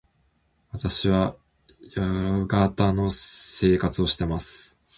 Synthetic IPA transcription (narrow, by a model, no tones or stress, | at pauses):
βat̪aɕiβa | jaɾɡat̪ano̞se̞ːkat͡sɨo̞ɕi̥t̪e̞masɨ̥